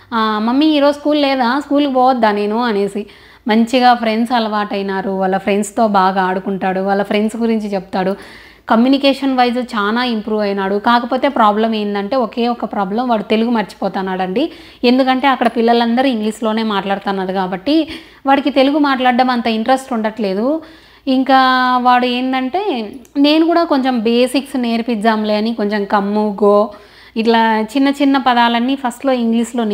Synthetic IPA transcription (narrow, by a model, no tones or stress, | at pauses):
aːmɐmːiːɾo̞ːskuːllɛːd̪aːskuːlkibɔːʋɐd̪ːaːne̞ːnuɐne̞ːsi | mɐɲt͡ʃiɡaːpʰɾe̞ɳɖsɐlɐʋaːʈɐjinaːɾuʋɐlːɐpʰɾe̞ɳɖst̪o̞ːbaːɡaːɽukuɳʈaːɽuʋɐlːɐpʰɾe̞ɳɖsɡuɾiɲt͡ʃit͡ʃeput̪aːɽu | kɐmjuːnikɛːʂɐnʋɐjzut͡ʃaːnaːimpɾuːʋɐjnaːɽukaːkɐpo̞ːt̪e̞ːpɾaːblɐmeːnd̪ɐɳʈe̞ːɔke̞ːɔkːɐpɾaːblɐmʋaːɽut̪e̞luɡumɐɾt͡ʃi̥pɔːt̪aːnːaːɽɐɳɖi | e̞nd̪ukɐɳʈe̞ːɐkːɐɽɐpilːɐlɐnd̪ɐɾiiŋɡliːslo̞ːne̞ːmaːʈlaːɽut̪aːnːaːd̪ukaːbɐʈːi | ʋaːɽikit̪e̞luɡumaːʈlaːɖːɐmɐnt̪ɐiɳʈɾesʈuɳɖɐʈle̞ːd̪u | iŋkaːʋaːɽue̞ːnd̪ɐɳʈe̞ːne̞ːnukuːɽaːko̞ɲt͡ʃembeːsiksne̞ːɾpid͡ʒaːmleːɐniko̞ɲt͡ʃemkɐmːuɡoː | iʈlaːt͡ʃinːɐt͡ʃinːɐpɐd̪aːlɐnːiːpʰɐsʈlo̞ːiŋɡlislo̞ːn